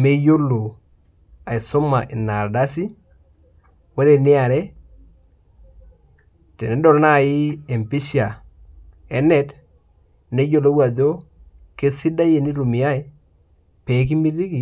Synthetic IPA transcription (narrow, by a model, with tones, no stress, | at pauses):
me˦jo˦lo˨ | a˨i˨so˦ma˨ʔɪ˨na˨ɾda˦si˦ | wɛ˦ɾe˨nɪ˦a˨ɾɛ˦ | te˨nɛ˨˦dɔ˨ɾna˦˨jɪ˦e˨mpi˦ʃia˨ | ɛ˨˦nɛ˦t | ne˦jo˨lo˦wa˨ðo˦ | ke˦sɪ˦da˦je˨ni˦ɾu˨mi˨ja˦i˦ | pɛ˨˦k̬i˦mi˦ði˦ki˨